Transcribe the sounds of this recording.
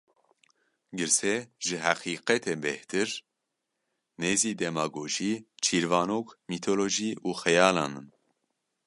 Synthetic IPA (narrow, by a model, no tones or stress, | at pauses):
ɡɨɾsɛʒɨɦæqiːqɛt̪ʰembɛht̪ʰɨɾ | neːziːd̪ɛmaːɡoːʒiːt͡ʃʰiːɾvɑːnoːkmit̪ʰoloːʒiːuːxɛjaːlɑ̰ːnɨn